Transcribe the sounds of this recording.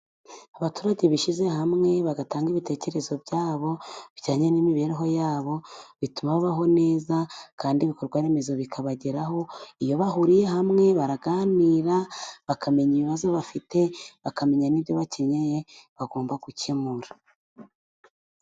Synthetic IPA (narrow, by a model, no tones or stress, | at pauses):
aβatuːɾaɟeβiʃize̞hamŋe̞βaɡataːŋɡiβite̞ːce̞ɾe̞zo̞bɟaːβo̞βɟaːɲenimiβe̞ːɾeɦo̞jaːβo̞βitumaβaβaɦo̞ne̞ːzakaːndiβiko̞ɾɡwaɾe̞me̞zo̞βikʰaβaɟeɾaɦo̞ijo̞βahuɾije̞ɦamŋe̞βaɾaɡaːniːɾaβakʰame̞ɲiβiβazo̞βafite̞βakame̞ɲaniβjo̞βace̞ɲejeβaɡo̞ːmbaɡucemuɾa